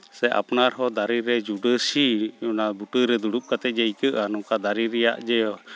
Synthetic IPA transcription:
sɛʔa̰pnaɾɦɔd̪aɾiɾɛd͡ʒuɖəsiɔnabuʈəɾɛd̪uɽup̚kat̪ɛˀd͡ʒɛjkəʔanɔkad̪aɾiɾɛja̰ʔd͡ʒɛjɔ

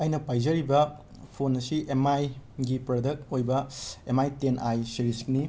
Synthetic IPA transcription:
ɐjnɐpajzɐɾibɐ | pʰonɐsiʔemajɡipɾodɐk̚tojbɐemajtenʔajsiɾisk̚ni

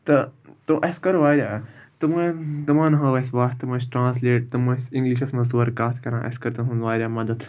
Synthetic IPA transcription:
t̪ɐt̪oʔɐskɐɾʋaːɾʲaːt̪ɐmɐt̪ɐmãːnɐɦɐ̃ːʋɐsʋaːst̪ɐmɐ̃sʈɾãːnsleːʈ̚t̪ɐmɐsĩŋɡliʃɐsmɐ̃suɐɾkaːt̪ʰkɐɾã̰ːʔɐ̰skɐɾt̪ɐɦũnʋaːɾʲaːmɐd̪ɐt̪

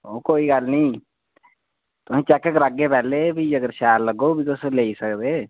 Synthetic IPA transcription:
okoːiɡaːlnɐĩ | t̪oɦẽt͡ʃɛːkəkɾaɡːepɛːlebʱiɐɡəɾʃaːɾləɡobʱit̪oseleːisəkd̪eː

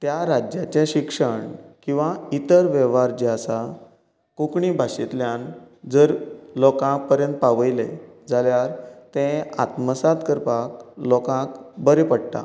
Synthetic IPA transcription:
t̪jaɾad͡ʑjat͡ɕeɕikʂəɳkĩw̃ʋait̪əɾʋɛʋaɾd͡ʑasa | kukɳibʱaɕit̪ljãn | d͡zəɾlɔkãk̚pəɾjə̃nt̪̚paʋəjled͡zaljaɾt̪ɛ̃a̰t̪məsad̪kəɾpaklɔkãkbəɾepəɽʈ̪a̰

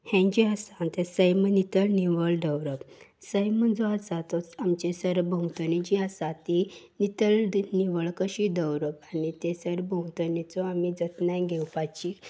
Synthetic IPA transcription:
hɛ̃ɲd͡ʑiəsant̪esəjmənit̪əlniʋəɭɖəwɾəpsəjmənd͡zɔasat̪ɔamt͡ɕesəɾbʱə̃wt̪ənĩd͡ʑiəsat̪i | nit̪əlniʋəɭkəɕid̪əwɾəpanit̪esəɾbə̃wt̪ənit͡sɔamid͡zət̪najɡʱɛwpat͡ɕi

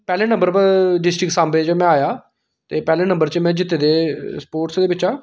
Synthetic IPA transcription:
pɛːleːnə̃mbəɾpəɖɪsʈɾɪksãːmbeːt͡ʃəmɛ̃ːaːjaː | t̪eːpɛːleːnə̃mbəɾt͡ʃəmɛ̃ːd͡ʒɪt̪ːeːd̪eːspoːɾʈsd̪eːbɪt͡ʃaː

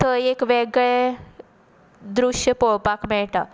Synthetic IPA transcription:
t̪əekʋeɡɭe | d̪ɾuʂjəpoɭpakmɛɭʈa

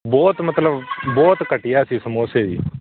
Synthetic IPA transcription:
bɔːt̪mət̪ləbbɔːt̪kəʈɪjaːsiːsəmoːseːʋḭː

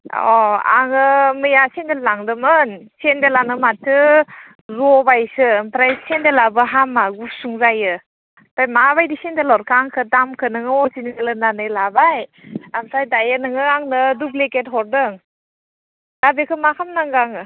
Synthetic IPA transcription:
ɔ̰a̰ŋɯmɯjasendellaŋdɯmɯnsendelaŋnɯmatʰːɯ | zɔbajsɯpɾajsendelabɯɦamaɡusuŋzajɯ | pɾajmaβajdisendelɔɾkʰaŋkʰɯdamkʰɯnɯŋɯɔsiniŋɯlɯnanɯjlabajamsajdajɯnɯŋɯaŋnɯdubleketɦɔɾdɯŋ | d̥abekʰɯmakʰamnaŋɡaŋɯ

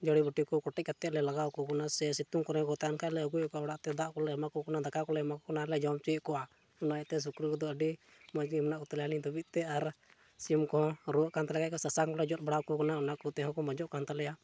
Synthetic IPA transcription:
d͡ʒɔɽibəʈikɔkɔʈɛc̚kat̪ːɛʔlɛlaɡawkɔkɔnasɛsit̪uŋkɔɾɛ̃kɔt̪aankʰaʔlɛəɡujɔkɔɔɽaʔt̪ɛd̪aʔkɔlɛamakɔkɔnad̪akakɔlɛamakɔkɔnalɛd͡ʒɔmt͡ʃikɔwa | unajɛʔt̪ɛs̬ukɾukɔd̪ɔəɖi | mɔd͡ʒimnaʔkɔt̪aljanid̪ɔbit̪̚t̪ɛaɾ | siumkɔ̃ɾɔəʔkant̪alɛkackɔsasaŋkɔlɛd͡ʒɔt̪̚ˀbaɽawkɔkanaunaʔkɔt̪ɛɦɔ̃kɔmɔd͡ʒɔʔkant̪alɛja

